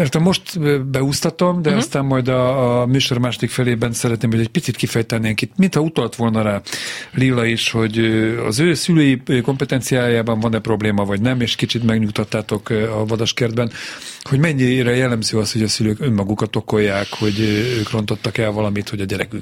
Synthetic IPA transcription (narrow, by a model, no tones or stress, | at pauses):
mɛrt̪ɛmːo̞ʃt̪bɛust̪ɒt̪o̞md̪ɛɒst̪aːmːɒjd̪ɒːmyːʃo̞rmaːʃo̞d̪ikfɛleːbɛnsɛɾɛt̪neːmɦojd̪ɛc̚ʲpit̪sit̪kifɛjt̪ɛnːiɛŋkit̪mint̪hɒut̪ɒlt̪ʋo̞lnɒɾaːlilːɒiʃho̞ɟøɒ̰zøːsyløːjiko̞mpɛt̪ɛnt̪sijaːjaːbɒɱvɒnɛpro̞bleːmɒvɒɟnɛmeːʃkit͡ʃit̪mɛɡɲukt̪ɒt̪ːaːt̪o̞kɒvɒd̪ɒʃkɛrd̪bɛnho̞ɟmɛɲːiɾɛjɛlːɛmzøːɒsho̞ɟɒsyløːkømːɒɡukɒt̪o̞ko̞jːaːkho̞ɟøːkro̞nt̪o̞t̪ːɒkɛlvɒlɒmit̪ho̞ɟɒɟɛɾɛkyk